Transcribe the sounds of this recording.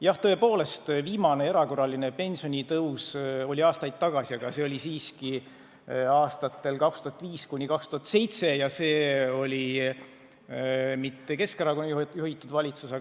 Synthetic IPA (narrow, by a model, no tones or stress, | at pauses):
jɑht̪ɤ̞e̞po̞ːle̞st̪viːmɑne̞e̞ɾɑko̞rɑline̞pe̞nʲsio̞nʲit̪ɤwso̞lʲiɑːst̪ɑjd̪̥̚t̪ɑɡ̥ɑsiɑɡ̥ɑse̞olʲisiːski | ɑːst̪ɑt̪ːˑe̞lkɑkst̪uhɑt̪ːˑviːskunʲikɑkst̪uhɑt̪se̞jt̪se̞jɑse̞ːo̞lʲi | mit̪ːe̞ke̞skeɾɑko̞njuhit̪ːˑud̪vɑlʲit̪suse